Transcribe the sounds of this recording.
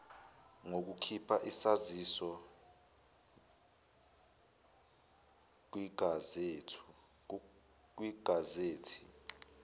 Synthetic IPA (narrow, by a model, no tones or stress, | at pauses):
ŋok̬ukʰipʰaʔisazisɔ | k̬wiɡ̥ʱazetʰu̥ | k̬wiɡ̥ʱazeːtʰi̥